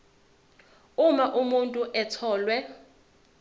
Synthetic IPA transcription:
umaʔumuntʼuʔɛtʰɔːlwɛ

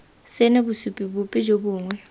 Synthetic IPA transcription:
sɪnebusupʼibupʼɪd͡ʒobuːŋwɛ

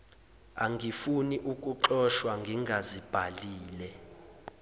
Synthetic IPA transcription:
aŋɡʱifuniʔuk̬ʼuǃɔʃwaŋɡʱiŋɡʱazib̥ʱaliːlɛ

